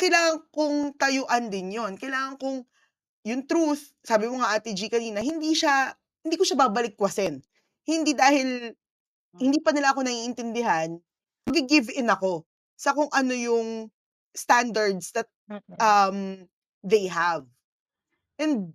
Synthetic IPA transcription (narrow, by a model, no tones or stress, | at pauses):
kɐjlaːŋɐŋkʊŋt̪ɐjoʔɐnd̪ɪnjo̞nkɐjlaːŋɐŋkʊŋ | jʊŋt̪ɾuθ | saːbɪmoŋɐʔaːt̪id͡ʒikɐniːnɐɦɪnd̪iʃa | hɪnd̪iːkoʃabaːbɐlɪk̚ːwɐsɛn | hɪnd̪id̪aːhɪl | hɪnd̪iːpɐnɪlaʔɐko̞nɐŋiʔɪnt̪ɪnd̪ɪɦan | mɐɡɪɡɪvʔɪnɐko̞ | sɐkoŋʔɐno̞jʊŋ | st̪and̪ɐɹd̪sd̪ɐt̪̚ʔɐm | d̪ejɦav | ʔɛnd̪̚